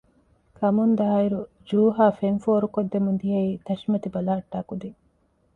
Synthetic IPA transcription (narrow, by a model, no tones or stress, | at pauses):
kʰɐmund̪ɐɦɐiɾu | d͡ʒuːɦaːfeŋfoːɾukod̪ːemund̪iɦɐiːt̪ɐʃimɐt̪ibɐlaːʈːaːkud̪i